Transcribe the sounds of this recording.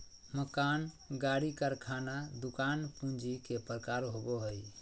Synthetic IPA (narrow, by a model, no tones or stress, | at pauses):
məkan | ɡaɽikəɾkʰanad̪ukanpũnd͡ʒikepɾəkaɾɦoboɦəj